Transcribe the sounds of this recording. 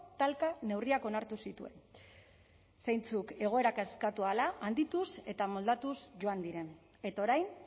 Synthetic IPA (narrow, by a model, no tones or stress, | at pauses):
t̪alkane̞wriako̞naɾt̪usit̪ue̞̰n | sejnt͡suke̞ɣ̞o̞e̞ɾakaskat̪ualaʔːnd̪it̪use̞t̪amo̞ld̪at̪usʝo̞and̪iɾe̞n | e̞t̪ao̞ɾajn